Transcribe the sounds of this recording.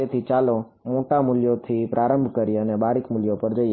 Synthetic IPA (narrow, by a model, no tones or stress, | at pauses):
et̪ʰit͡ʃalo | moʈamuljot̪ʰipɾʔaɾəmbʱkəɾiənebaɾikmuljopəɾd͡ʒəi